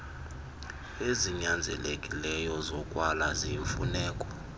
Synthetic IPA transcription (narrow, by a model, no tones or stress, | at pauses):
eziɲand͡zʱɛ̰lekʼilɛjɔzɔkʼwalaziɱfṵnɛːkʼɔ̥